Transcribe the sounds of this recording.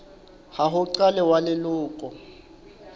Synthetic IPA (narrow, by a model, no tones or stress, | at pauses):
haɦʊǀalɛwalɪlʊːkʼɔ